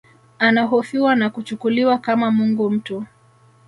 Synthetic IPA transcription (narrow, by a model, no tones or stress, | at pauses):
anaɦɔfiwanakut͡ʃukuliwakamamuŋɡum̩tɔ